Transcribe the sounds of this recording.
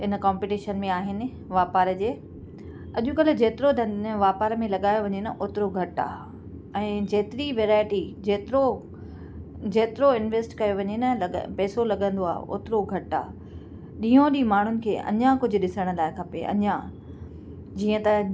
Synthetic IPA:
ɦɪnə̆kãːmpɪʈiːʃənmẽaːɦɪnɪ̆ | ʋaːpaːɾd͡ʑeː | ɐʄʊkɐlɪd͡ʑeːt̪ɪɾod̪ʱɐ̃ʋaːpaːɾmẽlɐɠaːjoʋɐɲenɐʔoːt̪ɪɾoɡʱɐʈa̰ː | ɛ̃ːd͡ʑeːt̪ɪɾiʋeːɾaːɪʈid͡ʑeːt̪ɾo | d͡ʑeːt̪ɪɾoɪnʋeːsʈkɐjoʋɐɲenɐlɐpɛːsolɐɠə̃nd̪oaːɦʔo̰ːt̪ɪɾoɡʱɐʈa̰ː | ɗĩːõɗiːmaːɳ̤ʊnɪ̆kʰeːʔɐ̰ɲãkʊd͡ʑʱʊ̆ɗɪsəɽ̃̆laːɦɪkʰɐpḛɐ̰ɲã | d͡ʑiːə̃t̪ɐ

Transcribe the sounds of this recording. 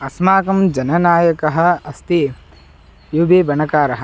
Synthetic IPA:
ɐsmaːkɐmd͡ʒɐnɐnaːjɐkɐɦɐ̆ɐst̪i | jubeːbɐnɐkaːɾɐɦɐ̆

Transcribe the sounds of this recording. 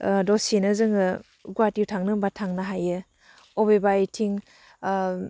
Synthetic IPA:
dɔsinɯzɯŋɯ | ɡwatiwtʰaŋnɯbatʰaŋnaɦajɯ | obebajtʰiŋ

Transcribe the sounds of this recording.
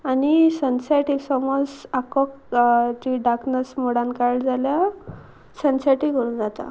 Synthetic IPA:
anisənsajʈiksɔmosakɔk | d͡ʑ̪iɖaknəsmoɽankald͡zalja | sənsajʈikəɾuːnd͡zat̪a̰

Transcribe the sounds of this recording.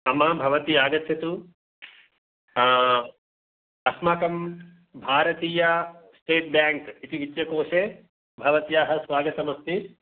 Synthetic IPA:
ɐmɐbʱɐʋɐt̪iaːɡɐt̪jɐt̪u | ɐsmaːkɐm | bʱaːɾɐt̪iːjɐsʈeːʈ̚bjaːŋkit̪iʋit̪jɐkoːʂeː | bʱɐʋɐt̪jaːɦɐ̆sʋaːɡɐt̪ɐmɐst̪i

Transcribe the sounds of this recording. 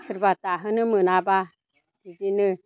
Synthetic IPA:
səɾbat̪aɦənɨmɨnaba | id͡ʒinɨ

